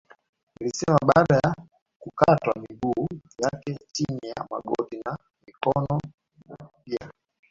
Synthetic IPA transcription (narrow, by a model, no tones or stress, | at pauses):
nilisɛmaɓaːɗaja | kukatwamiɡuːjakɛt͡ʃinija̰ma̰ɡɔ̰ɗina | mikɔnɔ | ia